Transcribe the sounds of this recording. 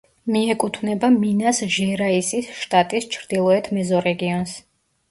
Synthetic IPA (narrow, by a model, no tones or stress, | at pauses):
miɛkʼut̪ʰvnɛbaminasʒɛɾaisisʃt̪ʼat̪ʼist͡ʃʰɾd̪̥ilˠɔɛt̪ʰmɛzɔɾɛɡiɔns